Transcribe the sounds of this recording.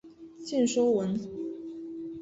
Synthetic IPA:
t͡ɕɛ˥˩nʂo˥ʊwə˧˥n

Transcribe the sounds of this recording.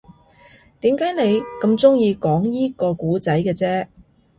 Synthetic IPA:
t̪iː˨˥mkaː˨˥jne˨˧jkɐ˧mt͡sʊ˥ŋjiː˧kɔː˨˥ŋjiː˥kɔː˧kuː˨˥t͡sɐ˨˥jkɛː˧t͡sɛː˥

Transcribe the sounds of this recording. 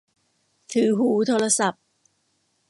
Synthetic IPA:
t̪ʰɯː˨˩ɦuː˨˩˦t̪ʰoː˧ɾa˧sa˨˩p̚

